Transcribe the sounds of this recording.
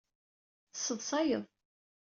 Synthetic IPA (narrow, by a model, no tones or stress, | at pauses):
θsːəðˤsɑjə̰ðˤ